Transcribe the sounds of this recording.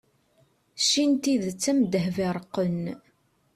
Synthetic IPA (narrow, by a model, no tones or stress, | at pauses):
ʃint̪iðt͡sːæmd̪əɦvɪɾˤəqːən